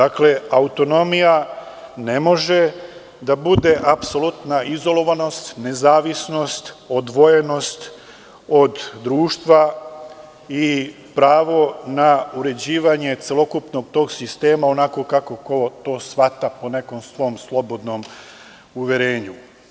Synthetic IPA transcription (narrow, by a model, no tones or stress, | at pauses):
d̪akle̞aut̪o̞no̞mijane̞mo̞ʒe̞ | d̪abud̪e̞ʔapso̞lut̪naʔizo̞lo̞ʋano̞st̪ne̞zaːʋisno̞st̪o̞d̪ʋo̞je̞no̞st̪ | o̞d̪ːɾuːʃt̪ʋa | i | pɾaːʋo̞nauɾe̞d͡ʑiːʋaɲe̞t̪selo̞kupno̞ɡ̚t̪o̞ːɡsist̪e̞ːmao̞nako̞kako̞ko̞t̪o̞ːsʋat̪apo̞ne̞ko̞msʋo̞mslˠo̞bo̞d̪no̞m | uʋje̞ɾeːɲu